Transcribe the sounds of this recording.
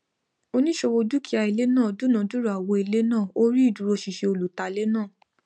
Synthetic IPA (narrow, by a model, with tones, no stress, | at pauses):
o˧nĩ˦ʃo˧wo˧du˦kʰi˦a˧i˨le˦nãː˦˨du˦nã˨du˦ɾa˨wo˧i˨˧le˦nãː˦˨o˦ɾi˦i˦˨du˨ɾo˧ʃi˨ʃe˧o˧lu˨ta˧˨le˦nãː˦˨